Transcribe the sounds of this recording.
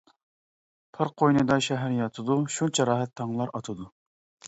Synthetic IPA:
pʰɑɾqʰojnɨd̪ɑʃɛɦæɾjɑt̪ʰɨd̪uʃut͡ʃʰɑɾɑːɦɛt̪ʰːɑŋlˠɑɾɑt̪ʰɨd̪u

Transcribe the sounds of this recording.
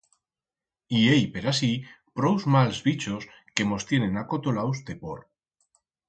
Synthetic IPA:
iejpe̞ɾasi | pɾowzmalzβit͡ʃo̞s | ke̞mo̞st̪je̞nẽ̞nako̞t̪olawst̪e̞po̰ɾ

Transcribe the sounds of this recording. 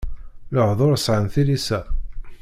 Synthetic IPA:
loʕðˤʊɾəsʕənθilisæ

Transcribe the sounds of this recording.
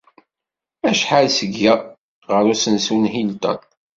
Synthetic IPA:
æʃħalsəɡːæ | ʁəɾusənsunɦilt̪æ̰n

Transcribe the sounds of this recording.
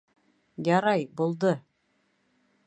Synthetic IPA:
jɑɾɑjbulˠd̪ɤ

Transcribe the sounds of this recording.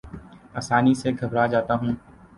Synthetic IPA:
aːsaːniseɡʱɐbɾad͡ʒaːt̪aɦũː

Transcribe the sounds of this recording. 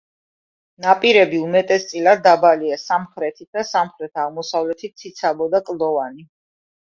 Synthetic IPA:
napʼiɾɛbiumɛt̪ʼɛst̪sʼilad̪d̪abaliasamχɾɛt̪ʰit̪̚d̪asamχɾɛt̪ʰaʁmɔsavlɛt̪ʰit̪̚sʰit̪sʰabɔd̪akʼld̪ɔvani

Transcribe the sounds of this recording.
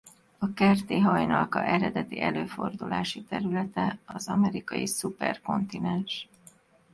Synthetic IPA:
ɒkɛrt̪eːɦɒjnɒlkɒʔɛɾɛd̪ɛt̪iʔɛløːfo̞rd̪ulaːʃit̪ɛɾylɛt̪ɛɒzɒmɛɾikɒjisupɛrko̞nt̪inɛnʃ

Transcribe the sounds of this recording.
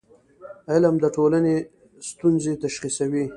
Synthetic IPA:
alamd̪əʈolane | st̪unzet̪aʃχisawi

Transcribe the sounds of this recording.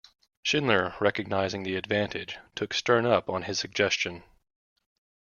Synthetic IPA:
ʃɪ̃nlə˞ɹɛkɨɡ̚naɪzɪ̃ŋðiɨdvæ̃ntʰɪd̥ʒ̥tʰʊkstɜ̃˞nʌpn̩ɨz̥sɨɡ̚d͡ʒɛst͡ʃɨ̃n

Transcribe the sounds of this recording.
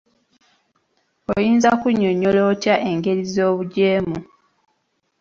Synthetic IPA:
ojiːnzakuɲːoɲːoloːtjaʔeŋɡe̞ɾizo̞ːβuɟeːmu

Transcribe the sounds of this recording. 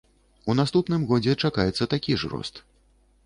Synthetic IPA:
un̪ast̪upn̪ɨmɣɔd͡zʲɛt͡ʂakajɛt̪sːɐt̪akʲiʐɾɔ̰st̪

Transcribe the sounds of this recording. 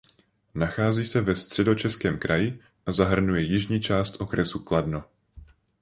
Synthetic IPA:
naxaːziːsɛvɛst̪r̝̥ɛdo̞t͡ʃɛskɛːmkɾʔajɪ | ʔazaɦr̩nujɛjɪʒɲiːt͡ʃaːst̪ʔo̞kɾɛsukladno̞

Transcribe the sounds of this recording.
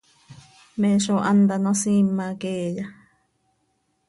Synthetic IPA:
mẽʃoʔand̪anõsĩmːãkeja

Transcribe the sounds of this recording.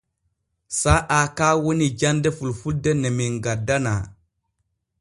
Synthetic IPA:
saʔakawonid͡ʒandɛfulfuldenemiŋɡadana̰

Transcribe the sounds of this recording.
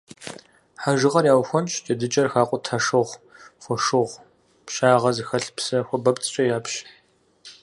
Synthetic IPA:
ħaʒɨʁɐrjaːwxʷɔnt͡ʃʰt͡ʃʼɐdɨt͡ʃʼɐrxaːqʷʼɔtʰɐʂɨʁʷxʷɔʂɨʁʷ | pʃaːʁɐzixɐɬpsɐxʷɔbɐpt͡sʰʼɕʼɐjaːpɕ

